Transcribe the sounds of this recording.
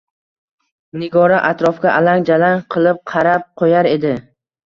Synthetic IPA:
nɪɡɒɾaʔat̪ɾɒfɡʲaʔalaŋd͡ʒalanqʰɨlˠɪp̚qʰɑɾap̚qʰojaɾe̞d̪ɪ

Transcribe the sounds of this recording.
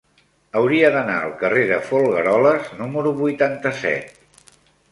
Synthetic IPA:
əwɾiəðəna̰ə̰lˠkəreðəfulˠɣəɾɔləznuməɾuβujt̪ant̪əsɛ̰t̪̚

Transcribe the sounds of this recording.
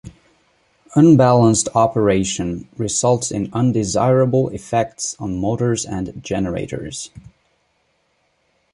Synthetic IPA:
ʌ̃nbælˠə̃nstʰɑpʰə˞eɪʃɨ̃nɹɪzʌlˠtsɨ̃nʌ̃ndɪza̰ɪɹəbl̩ˠɪfɛk̚tsn̩moʊɾə˞zɨ̃nd͡ʒɛnə˞ḛɪɾə̰˞z̥

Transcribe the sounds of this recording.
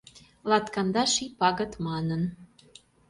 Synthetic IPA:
lɑt̪kɑnd̪ɑʃipɑɣə̆t̪mɑnən

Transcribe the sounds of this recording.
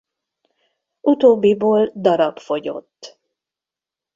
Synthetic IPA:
ʔut̪oːbːiboːld̪ɒɾɒpfo̞ɟo̞̰t̪ː

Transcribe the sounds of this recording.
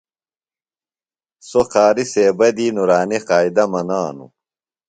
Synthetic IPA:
soqaːɾiseːbɐd̪iːnuɾaːniqaːid̪ɐmɐnaːnṵ

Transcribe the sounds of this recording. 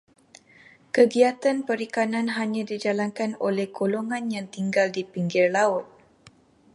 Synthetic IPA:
kəɡiat̪anpəɾikananɦaɲãdid͡ʒalaŋkanolɛhɡoloŋanjaŋt̪iŋɡaldipiŋɡɪrlaʊt̪̚

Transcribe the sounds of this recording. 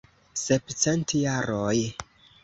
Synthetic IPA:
sept͡se̞ntjaɾoj

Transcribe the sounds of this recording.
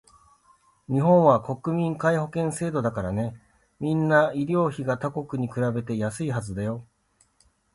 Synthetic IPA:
ɲ̟iɦõ̞ɰ̃βako̞kɯ̟mʲĩŋkaiho̞kẽ̞ɰ̃se̞ːd̪o̞d̪akaɾane̞ | mʲĩnːaiɾʲo̞ːçiɡat̪ako̞kɯ̟ɲ̟ikɯ̟ɾabe̞t̪e̞jasɨiɦazɨd̪ajo̞

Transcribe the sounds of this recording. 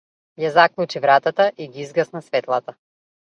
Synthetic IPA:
jazaklˠut͡ʃivɾat̪at̪aʔiɡiizɡasnasvɛt̪lˠat̪a

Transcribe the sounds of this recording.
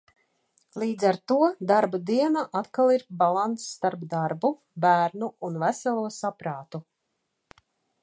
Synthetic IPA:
lˠiːd̪zaɾt̪uɔd̪aɾbad̪iɛnaʔat̪kalˠiɾbalˠant̪sːt̪aɾbd̪aɾbu | bæːɾnuunvæsɛlˠuɔsapɾaːt̪u

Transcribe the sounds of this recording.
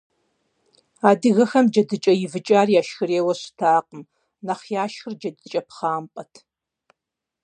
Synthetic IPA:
aːdɨɣɐxɐmd͡ʒɐdɨt͡ʃʼɐjɪvɨt͡ʃʼaːrijaːʃxɨɾeːwɐɕɪ̥tʰaːqʼəm | naχjaːʃxɨrd͡ʒɐdɨt͡ʃʼɐpχaːmpʼɐtʰ

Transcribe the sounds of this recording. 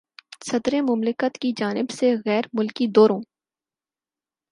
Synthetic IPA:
sɐd̪ɾemʊmlɪkət̪kid͡ʒaːnɪbseɣɛːɾmʊlkid̪oːɾõː

